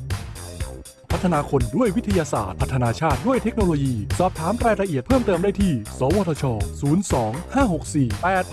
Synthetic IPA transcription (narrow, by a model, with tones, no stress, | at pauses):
pʰa˦˥t̪ʰːa˧naː˧kʰo˧ndu˥˩əjwi˦˥t̪ʰa˧jaː˧sa̰ː˨˩t̪̚pʰa˦˥t̪ʰːa˧naː˧t͡ɕʰaː˥˩t̪̚du˥˩əjt̪ʰe˦˥k̚noː˧loː˧jiː˧sɔː˨˩p̚t̪ʰaː˩˦mɾaː˧jɾa˧ʔi˨˩ət̪̚pʰɤː˥˩mt̪ɤː˧mdaː˥˩jt̪ʰiː˥˩sɔː˩˦wɔː˧t̪ʰːt͡ɕʰɔː˧suː˩˦nsɔː˩˦ŋhaː˥˩ho˨˩k̚siː˨˩pa˧jʔt̪